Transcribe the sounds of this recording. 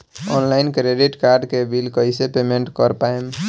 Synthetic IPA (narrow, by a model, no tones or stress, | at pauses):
ɔnlaɪnkɾeɖiʈkaɾɖkebilkəjsepemeɳʈkəɾpajm